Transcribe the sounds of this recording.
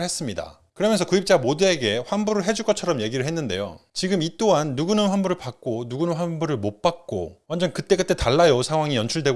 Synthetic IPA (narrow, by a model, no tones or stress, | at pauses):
ɭhes͈ɯmɲida̰ | kɯɾʌmjʌnsʰʌkuip̚t͡ɕ͈amodue̞ɡe̞ɸwanbuɾɯɭɦe̞d͡ʑuɡʌt͡ɕʰʌɾʌmje̞ɡiɾɯɭhenːɯnde̞̰jo̰t͡ɕiɡɯmit͈oɦanːuɡunɯnɸwanbuɾɯɭpak̚k͈onuɡunɯnɸwanbuɾɯɭmop͈ak̚k͈o̰wand͡ʑʌnkɯt͈e̞k͈ɯt͈ʰetaɭːajosʰaŋɦwaŋijʌnt͡ɕʰuɭdwe̞ɡ